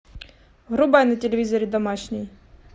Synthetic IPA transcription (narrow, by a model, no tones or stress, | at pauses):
ɦɾʊbajnɐtʲelʲeʋʲizɔɾʲid̪ɐmaʃnʲij